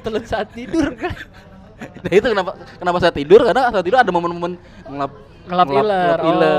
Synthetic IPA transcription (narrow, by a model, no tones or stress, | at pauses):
t̪ələnsaat̪ːidʊrka | dait̪ukənapakənapasaːt̪ːidʊrkanasaat̪ːidʊradamomənmomən | ŋəlap̚ | ŋəlaŋiləlarilə